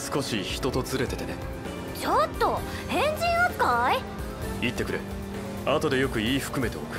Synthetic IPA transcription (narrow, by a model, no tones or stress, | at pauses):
sɨ̥ko̞ɕiçi̥t̪o̞t̪o̞zɨɾe̞t̪e̞̥t̪ene | t͡ɕot̪ːo | hẽɲd͡ʑĩɰ̃akai | it̪ːe̞kɯ̟ɾe | at̪o̞d̪e̞jo̞kɯ̟iːɸɯ̟̥kɯ̟me̞t̪e̞okɯ̥